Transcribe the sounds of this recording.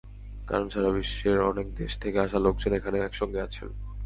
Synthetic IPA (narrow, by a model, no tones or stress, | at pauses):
ka̰ɾonʃʰaɾabiʃeɾɔnek̚d̪eʃt̪ʰekeaʃalok̚d͡ʑonekʰaneɛkʃɔŋɡeat͡ɕʰen